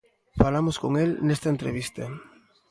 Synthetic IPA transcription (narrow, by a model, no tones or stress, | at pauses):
falamoskoŋelnest̪ɐent̪ɾḛβ̞ist̪ɐ